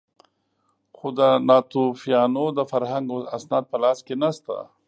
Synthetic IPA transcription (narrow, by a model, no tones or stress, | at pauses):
xod̪ənɑt̪ufijɑnod̪əfaɾɦaŋɡasnɑːd̪̚pəlɑːskenast̪a̰